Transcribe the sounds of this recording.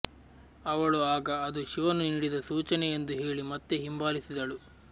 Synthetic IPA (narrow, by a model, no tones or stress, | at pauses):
ɐʋɐɭuaːɡɐːd̪uʃiʋɐnuniɽid̪ɐsuːt͡ʃɐneend̪uɦe̞ːɭimɐt̪ːeɦimbaːlisid̪ɐɭu